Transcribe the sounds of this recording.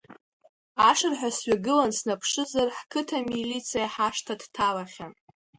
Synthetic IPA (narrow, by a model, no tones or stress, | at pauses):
aʂɨrħʷᶣasɥaɡɨlansnapʰʂɨzarħkʰɨtʰamilit͡sʰijaħaʂtʰadtʰalaχʲan